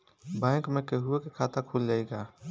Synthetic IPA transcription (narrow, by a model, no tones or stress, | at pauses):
bɛ̃ːkmẽkeɦʊekekʰaːt̪akʰuːld͡ʒaːeɡaː